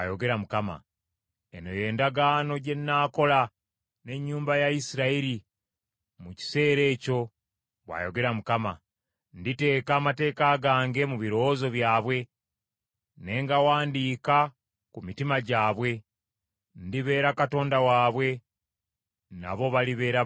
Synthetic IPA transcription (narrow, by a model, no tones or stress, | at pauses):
ajo̞ɡe̞ɾamukama̰ | eno̞je̞ːndaɡaːno̞ɟe̞nːaːko̞la | ne̞ɲːuːmbajaisiɾaiɾi | muci̥se̞ːɾe̞ːco̞ | βwa̰ːjo̞ɡe̞ɾamukama | ndite̞ːkaːmate̞ːkaːɡaːŋɡe̞muβiɾo̞zo̞βjaːβwe̞ | ne̞ːŋɡawaːndiːka | kumitimaɟaːβwe̞ | ndiβe̞ːɾakato̞ːndawaːβwe̞ | na̰βo̞βaliβe̞ːɾa